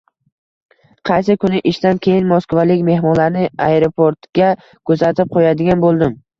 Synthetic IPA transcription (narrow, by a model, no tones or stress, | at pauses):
qʰɑjsɪkʰʊnɪʔɪʃt̪ankʲʰe̞jɪnmoskvalɪkʲme̞hmɒnlaɾnɪaeɾopʰoɾt̪ɡʲa | kʰɵzat̪ɪp̚qʰojad̪ɪɡʲanbolˠd̪ɪm